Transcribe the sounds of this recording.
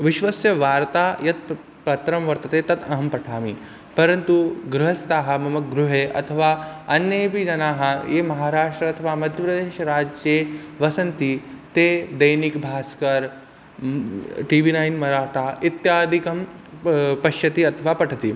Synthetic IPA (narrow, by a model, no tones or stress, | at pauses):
ʋiʃʋɐsjɐʋaːɾt̪aːjɐt̪̚ | pɐt̪ɾɐmʋɐɾt̪ɐt̪eːt̪ɐt̪ʰɐɦɐmpɐʈʰaːmḭ | pɐɾɐnt̪uɡɾuɦɐst̪aːɦɐ̆mɐmɐk̚ɡɾuɦeːʔɐ̰t̪ʰɐʋaːɐnjeːpid͡ʒɐnaːɦɐ̆eːmɐɦaːɾaːʂʈɾɐɐt̪ʰɐʋaːmɐd̪ʱjɐpɾɐd̪eːʃɐɾaːd͡ʒjeːʋɐsɐnt̪it̪eːd̪ɐjnikbʱaːskɐɾ | ʈiːʋiːnaːjnmɐɾaːʈaːit̪jaːd̪ʱikɐm | pɐʃjɐt̪iɐt̪ʰɐʋaːpɐʈʰɐt̪i